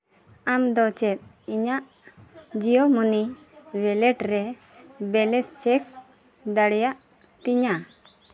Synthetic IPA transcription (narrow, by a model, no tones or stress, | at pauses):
amd̪ɔt͡ʃɛt̪̚ˀ | iɲaʔ | d͡ʒijɔmuni | wɛlɛʈɾɛ | bɛlɛst͡ʃɛk̚ | d̪aɽɛjaʔ | t̪iɲa